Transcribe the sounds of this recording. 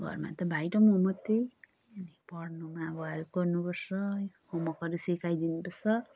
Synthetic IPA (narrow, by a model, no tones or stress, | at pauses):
ɡʱɔ̰ɾma̰t̪ɔbʱajʈɔmomɔt̪i | nipɔɽnumabɔalkɔɾnubɔsɔ | homɔkɔɾusikʰajd̪inubɔsɔ